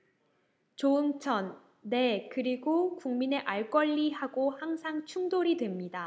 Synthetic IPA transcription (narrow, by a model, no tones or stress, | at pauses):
t͡ɕoɯŋt͡ɕʰʌnː | e̞kɯɾiɡokuŋmine̞ʔaɭk͈ʌʎːiɦaɡohaŋsʰaŋt͡ɕʰuŋdoɾidwemɲida